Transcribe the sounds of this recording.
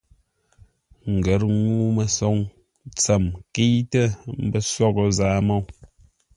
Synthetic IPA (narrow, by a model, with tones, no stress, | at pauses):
ŋ̩˨ɡə˨˦ɾŋuː˦mə˨sɔ˨˦ŋ | t͡sə˨mki˦tə˦˨m̩˨˦bə˦sɔ˦ɣo˨zaː˨˦mo˦˨w